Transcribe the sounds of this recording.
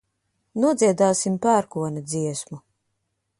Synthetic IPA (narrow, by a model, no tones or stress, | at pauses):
nuɔd̪ziɛd̪aːsimpæːɾkuɔnʲad̪ziɛsmu